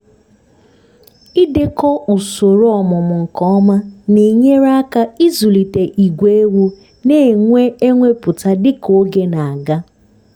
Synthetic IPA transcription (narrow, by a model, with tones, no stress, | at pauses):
i˦de˦kɔ˦u˨so˨ɾo˦ɔ˨mʊ˨mʊ˨ŋ̩˨kɔ˦ɔ˦ma˦ne˨ɲe˦ɾa˦ka˦i˦zu˨li˨te˨ʔi˨ɡʷe˦e˦wu˦ | ne˦˨ŋʷe˦e˦ŋʷe˦pʊ˨ta˦dɪ˦ko˨˦ɡe˦na˨a˨ɡa˦